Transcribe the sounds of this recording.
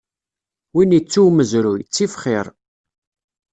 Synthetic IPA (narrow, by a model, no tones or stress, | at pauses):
winit͡sːuməzɾujət͡sːifχɪɾˤ